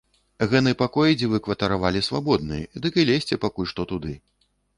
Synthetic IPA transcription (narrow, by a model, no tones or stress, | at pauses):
ɣɛnɨpakɔjɛd͡zʲivɨkvɐt̪ɐɾavalʲisvabɔd̪̚nɨɛd̪ɨkɨlʲesʲt͡sʲɛpakulʲʂt̪ɔt̪ud̪ɨ